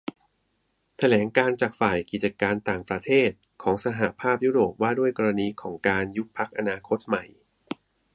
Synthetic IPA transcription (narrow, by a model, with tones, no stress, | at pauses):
t̪ʰa˧lɛː˩˦ŋkaː˧nt͡ɕaː˨˩k̚faː˨˩jki˨˩t̪̚t͡ɕa˧kaː˧nt̪aː˨˩ŋpɾa˧t̪ʰeː˥˩t̪̚ | kʰɔː˩˦ŋsa˧ɦa˨˩ʔpʰaː˥˩p̚juː˦˥ɾoː˨˩p̚waː˥˩du˥˩əjkɔː˧ɾa˧niː˧kʰɔː˩˦ŋkaː˧nju˦˥k̚pʰa˦˥k̚ʔa˧naː˧kʰo˦˥t̪̚ma˨˩j